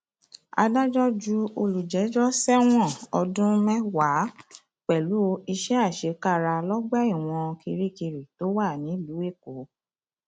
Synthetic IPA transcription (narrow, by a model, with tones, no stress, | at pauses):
a̰˧da˦d͡ʒɔ˦d͡ʒu˦o˧lu˨d͡ʒɛ˨˦d͡ʒɔ˦sɛ˦w̃ɔ̃˦˨ɔ˧dũ˦mɛ̃˦wa˨˦ | k͡pɛ˨lu˨˦˧i˧ʃɛ˦a˦˨ʃe˨˦ka˦˨ɾa˧lɔ˦ɡ͡bɛ˦i˦˨w̃ɔ̃˧ki˧ɾi˦ki˧ɾi˨to˨˦wa˦˨nĩ˨˦lu˨˦e˦˨ko˨˦